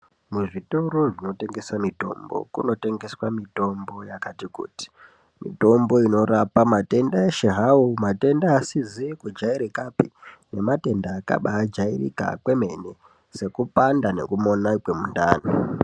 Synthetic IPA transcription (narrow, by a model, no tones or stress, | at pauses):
muʐito̞ɾo̞ʐino̞te̞ŋɡe̞swamito̞̰mbo̞̰kuno̞te̞ŋɡe̞swamito̞mbo̞jakatikṵːti̥ | mḭto̞mbo̞ino̞ɾapamate̞ndaeʃeɦaomate̞ndaːsizikud͡ʒaiɾekapine̞mate̞ndaːka̰ɓaːd͡ʒairḭka̰kwe̞me̞ne | se̞kupandane̞̰kumo̞nakwe̞munda̰ːno